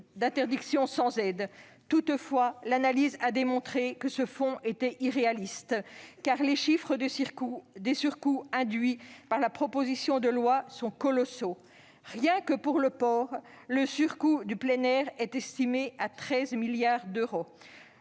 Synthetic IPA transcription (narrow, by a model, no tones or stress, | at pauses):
d̪ɛ̃t̪ɛʁd̪iksjɔ̃sɑ̃zɛd̪ | t̪ut̪fwalanalizad̪emɔ̃t̪χekəsəfɔ̃ʔet̪ɛʔiʁealist̪kaʁleʃifχə | d̪esyʁkuɛ̃d̪ɥipaʁlapχɔpozisjɔ̃d̪əlwasɔ̃kɔlɔso | ʁjɛ̃kəpuʁləpɔːʁ | ləsyʁkud̪yplɛnɛʁɛt̪ɛst̪imeat̪χɛzmiljaʁd̪øʁo